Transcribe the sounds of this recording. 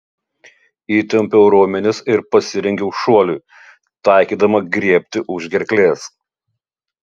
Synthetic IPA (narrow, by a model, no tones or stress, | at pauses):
iːt̪ʲɛmʲpʲɛʊɾoːmʲɛnʲɪsɪɾpɐsʲɪɾʲɛŋʲɡʲɛʊʃuɔlʲuɪ | t̪ɑˑɪkʲiːd̪ɐmɐɡɾʲiɛpʲt̪ʲɪʔʊʒʲɡʲɛɾʲklʲeːs